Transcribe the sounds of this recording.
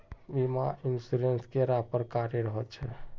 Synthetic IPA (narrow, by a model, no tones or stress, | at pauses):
bimainsiɾenskeɾapəɾkaɾeɾəɦəlt͡ʃʰɛ